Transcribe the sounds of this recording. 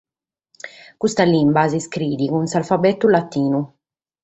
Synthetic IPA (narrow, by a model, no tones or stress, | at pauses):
kust̪alimbas̬iskɾiːd̪ikunsalfabɛt̪ːulat̪ːiːnu